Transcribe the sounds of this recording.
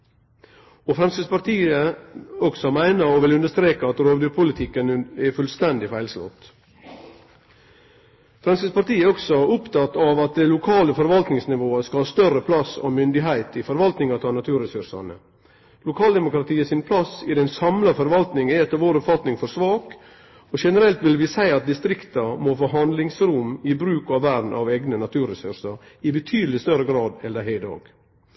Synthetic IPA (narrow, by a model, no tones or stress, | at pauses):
ofɾɛmsəspɑɾt̪iːəɔɡsɔmæɪnəɾɔʋɪlʉnd̪əʂt̪ɾeːkəɑt̪ɾoːʋd̪ʉːɾpʰʊlɪt̪ʰɪkːənɛfʉlst̪ɛnd̪ɪfæɪlslɔ̰t̪ː | fɾɛmskəspɑɾt̪iːəɛɾɔksɔʊpt̪ɑt̪ːɑʋɑt̪̚d̪ɛɪlʊkʰɑːləfɔɾʋɑlt̪nɪŋsnɪʋoːəskɑlhɑːst̪œɾəpʰlɑso̰ːmʏnd̪ɪɦæɪt̪ɪfɔɾʋɑlt̪nɪŋɑt̪ʰɑːnɑt̪ʰʉːɾɛsʉɾʂɑ̰nə̰ | lʊkʰɑːld̪ɛmʊkɾɑt̪ʰiːəsɪnpʰlɑsɪd̪ɛnsɑmlɑfɔɾʋɑlt̪nɪŋɛɛt̪ːəɾʋoːɾɔpfɑt̪nɪŋfɔɾsʋɑːk | ɔʂɛnəɾɛlt̪ʋɪlʋɪsæɪɑt̪̚d̪ɪst̪ɾɪkt̪ɑmofoːɦɑnd̪lɪŋsɾʊmɪbɾʉːkɑʋːæɖn̩ʔɑ̰ʋeːɡnənɑt̪ʰʉːɾɛsʉ̰ɾʂɑɾɪbət̪ʰyːd̪əlɪst̪œɾəɡɾɑːd̪ɛnd̪æɦæɪd̪o̰ːɡ̥